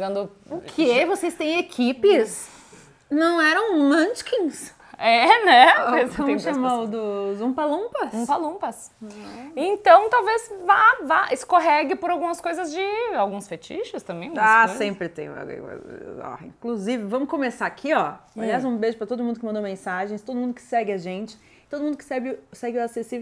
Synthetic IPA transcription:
ɡɐ̃nd̪ʊ | ʊkʰevosest̪ẽj̃ekʰipɪs | nɐ̃w̃ɛɾɐ̃w̃lɐ̃t͡ʃkĩs | ɛnɛeõmʃamowd̪ʊzũpalũpɐsũpalũpɐs | ẽt̪ɐ̃w̃t̪awvezvajvaʔeskoɦɛɡɪpoɾawɡũmɐskojzɐzd͡ʒɪawɡũsfet͡ʃḭʃʊst̪ɐ̃mbẽj̃assẽmpɾɪt̪ḛ̃j̰̃ḛɔ̰ḭ̃kluzivɪvɐ̃mʊkõmesaɾakʰiɔaliaz̃ũbeʒʊpɾɐt̪od̪ʊmũd̪ʊkɪmɐ̃d̪owmẽsaʒẽj̃st̪od̪ʊmũd̪ʊkɪ̥sɛɡɪɐʒẽnt͡ʃɪ̥ | t̪od̪ʊmũd̪ʊkɪ̥sɛɡɪʊsɛɡɪʊasesiv

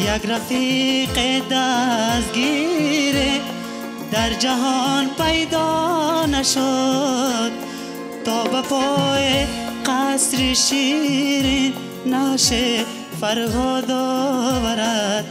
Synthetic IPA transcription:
jaɡɾafiqed̪as̚ɡiɾe | d̪aɾd͡ʒaɦɔnpajd̪ɔnaʃo | d̪̚ | t̪ɔːbapɔje | qasɾiʃiɾi | naʃe | faɾɦɔd̪ɔbaɾad̪̚

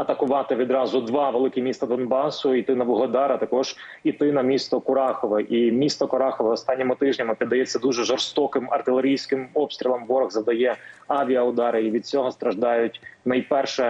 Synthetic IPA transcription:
ɐt̪ɐkʊʋɑt̪ɪʋʲid̪ɾɑzʊd̪ʋɑʋelˠɪkʲɪmʲist̪ɐd̪ɔnbɑsʊit̪ɪnɐbɔɦɔd̪ɑɾɐt̪ɐkɔʒ̥ | it̪ɪnɐmʲist̪ɔkʊɾɑxɔʋɐʔimʲist̪ɔkʊɾɑxɔʋɐɔst̪ɑnʲːɔmʊt̪ɪʒnʲɐmɪpʲid̪ːɐjɛt͡sʲːɐd̪uʒɛʒɔrst̪ɔkɪmɐ̰rt̪ɪlˠeɾʲijsʲkɪmɔpst̪ɾʲilˠɐmʋɔɾɐɣzɐd̪ɐjɛɑʋʲijɐʊd̪ɑɾɪiʋʲid̪̚t͡sʲɔɦɔst̪ɾɐʒd̪ɑjʊtʲnɐjpɛrʃɛ

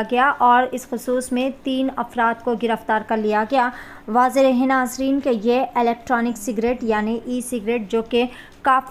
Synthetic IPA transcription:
ɡɐjaʔɔːɾɪsxʊsuːsmẽt̪iːnɐfɾaːt̪̚koɡɪɾəft̪aːɾkɐɾlijaɡɐjaː | ʋaːzeɾeɦɪnaːzɾiːnkejeɪlɛːk̚ʈɾɔːnɪksɪɡɾeːʈjaːniʔiːsɪɡɾeːʈ̚d͡ʒoːke | kaːf

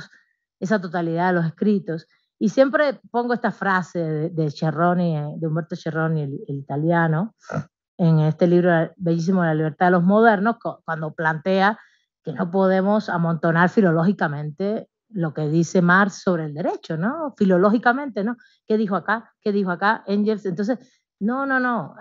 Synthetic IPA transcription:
s | e̞sat̪o̞t̪aliðaðelo̞s̬e̞skɾit̪o̞s | isje̞mpɾe̞po̞ŋɡoest̪afɾase̞ðeðe̞t͡ʃeronied̪eumbe̞ɾt̪ot͡ʃero̞nielelit̪aljano̞ | eŋe̞st̪e̞liβɾobeʝis̬imoðelaliβ̞e̞ɾt̪aðelozmo̞ð̞e̞ɾno̞skkwand̪o̞plant̪e̞a | ke̞no̞p̬o̞ðe̞mo̞samo̞nt̪o̞naɾfilo̞lo̞xikamẽ̞nt̪e̞ | lo̞ke̞ðise̞maɾsːo̞βɾeːld̪e̞ɾe̞t͡ʃo̞no̞filo̞lo̞xikamẽ̞nt̪e̞no̞ | ke̞ðixoakakeðixoakaeŋʝelsent̪onses | no̞no̞no̞

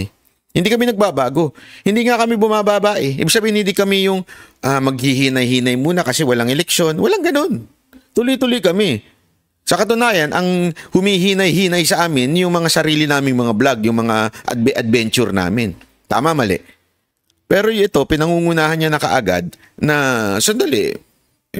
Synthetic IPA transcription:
hɪnd̪ikɐminɐɡ̚babaːɡo̞hɪ̃nd̪iŋakɐmibʊmabaːbaːʔɛʔɪ̰biɡ̥̚sɐbiːhɪnhɪnd̪ikɐmɛjʊŋʔamɐɡ̚hɪɦiːnɐjhiːnɐjmuːnɐkɐsɛwɐlaŋɛlɛkʃjo̞nwɐlaŋɡɐno̞n | t̪ʊlojt̪ʊlojkɐmɛ | sɐkɐt̪ʊnaːjɐnʔɐŋhʊmihiːnɐjhiːnɐjsɐʔaːmɪnjʊŋmɐŋasɐɾiːlɪnaːmɪŋmɐŋablaɡjʊŋmɐŋaʔɐ̰d̪̚bɛʔɐd̪̚bɛnt͡ʃʊɾna̰ːmɪn | t̪a̰ːmɐmɐlɛ̰ʔ | pɛːɾo̞jʔɛt̪o̞pɪnɐŋuːŋʊnaːhɐnɲanɐkɐ̰ʔaɡa̰d̪̚ | nɐsɐnd̪ɐlɪ̰

